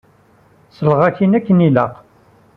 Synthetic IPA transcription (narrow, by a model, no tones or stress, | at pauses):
səlʁaçinækːəniləq